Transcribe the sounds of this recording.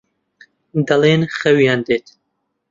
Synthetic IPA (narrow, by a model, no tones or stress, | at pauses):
d̪ɐleːnχɐwjaːnd̪eːt̪